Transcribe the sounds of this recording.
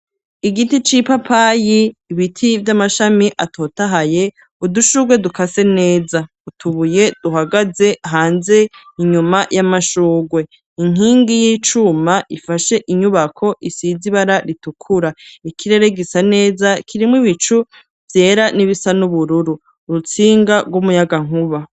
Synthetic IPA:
iɡitit͡ʃipapʰajiːβitʰivjamaʃamiʔatʰoːtaɦaje̞ | uduʃuɡwe̞dukase̞ne̞ːza | utʰuβuje̞d̥uɦaɡaze̞ʔɦaːnze̞iɲumajamaʃuːɡwe̞ | iŋ̥iːŋɡijiːt͡ʃumaʔifaʃe̞ʔiɲuβakʰo̞ʔisiziβaɾaɾitukʰuɾaikʰiɾe̞ɾe̞ɡisane̞ːzakʰiɾimwiβit͡ʃu | vje̞ːɾaniβisanuβuɾuɾu | ɾut͡siːŋɡaɡɡwumujaɡaŋ̥huβa

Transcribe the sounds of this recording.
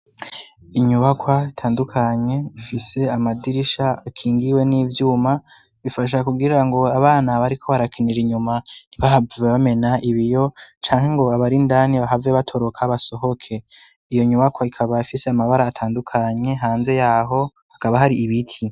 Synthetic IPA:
iɲuβakwaitʰaːndukʰaɲe̞ifise̞amadiɾiʃaakʰiːŋɡiwe̞niːvjuːma | βifaʃ̬akuɡiiɾaŋɡo̞aβaːnaβaɾikʰo̞βaɾakʰeneɾiɲumaiβahaveβame̞naʔiβijo̞t͡ʃaːŋhe̞ŋɡo̞aβaɾindaniβaɦaveβatʰo̞ɾo̞kʰaβaso̞ɦo̞kʰe̞ | ijo̞ɲuβakwaikʰaβaifise̞amaβaɾaːtʰaːndukʰaɲe̞ɦaːnze̞jaːɦo̞ | hakaβaɦaɾiːβitʰi

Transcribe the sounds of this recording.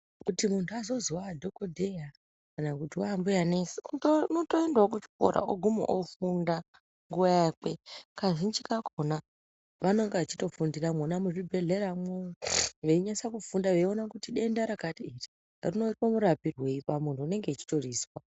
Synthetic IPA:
kutimuntʰuazo̞ziwadʱokodʱeja | kanakutiwaambujanesiuonotoendaokut͡ʃi̥ko̰ɾʔa̰ʔoɡʱumo̰ʔofunda | ŋɡuʋajakekaʐint͡ʃikakʰo̞na | ʋano̞ŋɡeat͡ʃito̞fundiramonamuʐibʱe̞ɮe̞ɾamooʋe̞iɲasakufundaʋeionakutiɗe̞ndaɾakatiiri | rino̞ipomuɾapirwe̞ipamuntʰuːne̞ŋɡeːt͡ʃi̥to̞riːswa

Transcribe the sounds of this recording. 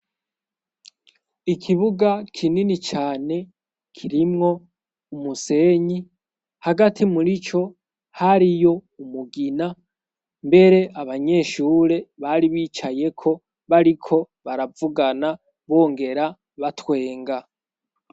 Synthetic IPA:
ikʰiβuɡakʰininit͡ʃaːne̞ | kʰiɾimŋo̞ | umuse̞ːɲi | haɡatʰimuɾit͡ʃo̞ | haɾijo̞umuɡina | mbe̞ɾe̞ʔaβaɲe̞ːʃuːɾe̞βaɾiβiːt͡ʃaje̞kʰo̞ | βaɾikʰo̞ | βaɾavuɡana | βo̞ːŋɡe̞ɾa | βatwe̞ːŋɡa

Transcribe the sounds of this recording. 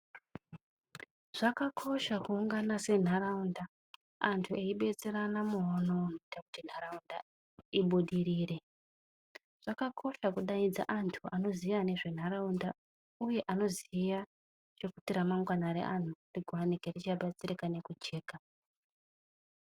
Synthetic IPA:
ʐ̥akakʰo̞ʃakuuŋɡanase̞n̤aɾaunda | antʰue̞iɓe̞t͡se̞ɾanamuɦononitakutin̤araunda | iɓuɗiɾiːre̞ | ʐ̥akakʰo̞ʃakuɗaid͡za̰ʔantʰuano̞ziiane̞ʐe̞n̤aɾaunda | uje̞ʔano̞ziija | t͡ʃe̞kutiɾamaŋɡwanaɾḛʔan̤uriɡʱwanike̞rit͡ʃaɓat͡sirikane̞kut͡ʃe̞ːka

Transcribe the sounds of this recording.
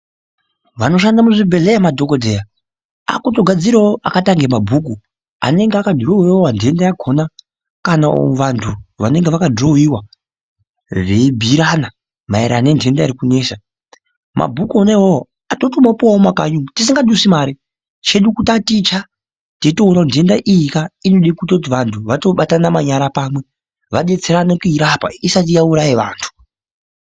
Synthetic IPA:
ʋano̞ʃandamuʐibʱe̞ɮejamadʱo̞kodʱeja | a̰kuto̞ɡʱad͡ziɾaoakataŋɡemabʱuku | a̰ne̞ŋɡeakadʱroɦiawandʱe̞ndajaɡʱo̞na | kanao̰ʋantʰuʋane̞ŋɡeʋakadʱrowiwa | rebʱiɾana | maeɾʔaːne̞ndʱe̞ndaiɾikune̞ːʃa | mʔa̰bʱukonaiwao | ato̞tomapowaomakaɲumtis̬iŋɡaɗusimaːɾi | t͡ʃe̞ɗukutatit͡ʃa | teito̞ɦunandʱe̞ndaʔijikainoɗikutaut̬iʋantʰuʋato̞ɓatanamaɲaɾapaːmwe̞ | ʋaɗet͡seɾanekuiɾapa̰isatijauɾaiʋa̰ːntʰu̥

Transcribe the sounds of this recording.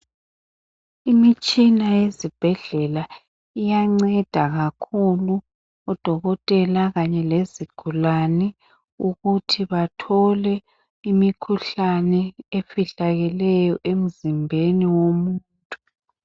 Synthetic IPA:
imit͡ʃʼinajezib̥ʱɛɮɛla | ijaŋ͡ǀɛd̥ʱaɣakʰulu | ɔd̥ʱɔɣɔtʼɛlaɣaɲɛleziɡ̥ʱulanɛ | uɣutʰiβatʰɔlɛ | imikʰuɬanɛefiɬaɣɛlɛjɔʔem̩zimbʱeniwomuːntʼu

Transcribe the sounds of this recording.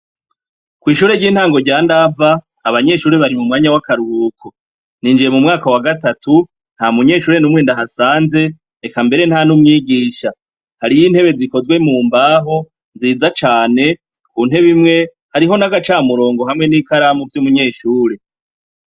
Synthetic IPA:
kwiːʃuːɾe̞ɾɟiːn̥haːŋɡo̞ɾɟaːndavaː | βaɲe̞ʃuːɾeβaɾimumŋaːɲawakaɾuuːko | niːnd͡ʒije̞mumŋaːkawaɡatatu | n̥hamuɲe̞ːʃuːɾe̞numweːndaɦasaːnze̞ | ekambe̞ɾe̞n̥hanumŋiːɡiːʃa | haɾijiːn̥he̞βe̞ziko̞zwe̞muːmbaːɦo̞ | nziːzat͡ʃaːne̞ | kuːn̥he̞βimŋe̞ | haɾiɦo̞naɡat͡ʃaːmuɾo̞ːŋɡo̞ɦamŋe̞niːkaɾamuvjumuɲe̞ːʃuːɾe̞

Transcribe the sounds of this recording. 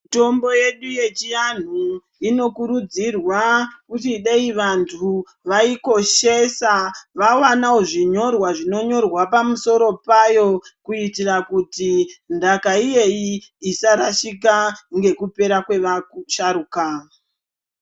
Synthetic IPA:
mito̞mbo̞je̞ɗuje̞t͡ʃijan̤u | ino̞kuɾud͡zirwakutiɗeiʋantʰu | ʋaiko̞ʃe̞saʋawanaoʐiɲo̞rwaʐino̞ɲo̞rwapamuso̞ɾo̞pajo̞kuitirakutindakaije̞iːsaɾaʃikaŋɡe̞kupe̞ɾakwe̞ʋauʃaɾuːka

